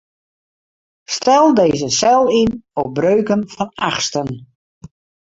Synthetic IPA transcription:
stɛlˠdeːzəsɛlˠinɔp̚brøːkənfɔnaxstən

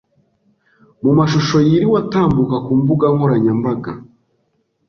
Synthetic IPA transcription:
mumaʃuʃo̞jiɾiwataːmbukakuːmbuɡaŋhoɾaɲambaɡa̰

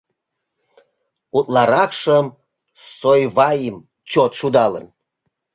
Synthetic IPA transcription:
ut̪lɑɾɑkʃəm | sojvɑjim | t͡ɕot̪ʃud̪ɑlə̰n

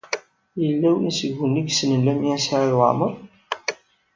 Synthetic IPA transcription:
jəlːæwənisəɡːənːiɡsnəlːæmiæsaɾaðwa̰məɾˤ

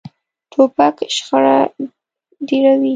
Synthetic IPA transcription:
t̪ʰopakʃxaɽa | deɾawi

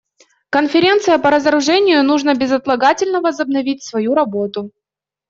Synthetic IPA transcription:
kənfʲɪɾʲe̞nt̪sɨjəpəɾəzəɾʊʐɛnʲɪjʊnuʐnəbʲɪzɐt̪lˠɐɡatʲɪlʲnəvəzəbnɐvʲit̚ʲsvɐjuɾɐbot̪ʊ

